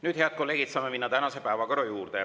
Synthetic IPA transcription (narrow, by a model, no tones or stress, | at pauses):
nyːd̪̥heɑd̪̥̚ko̞lːe̞ːɡit̪sɑːmeminːɑt̪ænɑse̞pæevɑko̞ɾɑjuːrd̪̥e